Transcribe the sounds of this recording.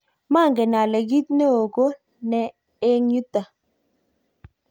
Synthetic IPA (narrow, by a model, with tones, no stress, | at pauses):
ma˦˨ŋɡe˨na˨lɛ˨ɡi˦t̪̚ne˦o˨ɡo˦ | nɛ˨ | e˦ɲu˦t̪a˨